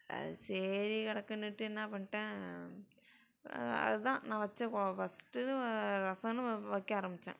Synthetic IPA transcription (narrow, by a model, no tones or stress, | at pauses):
seːɾikɪɽɐkːɐnːɯʈːɯɛnːaːpɐɳːʈẽː | ɐ̰ðɯðãːnãːʋɐt͡ʃːɛ̃kofɐsʈɯɯɾɐsɐ̃nɯ̃ʋɐkːeaːɾɐmbɪt͡ʃːḛ̃ː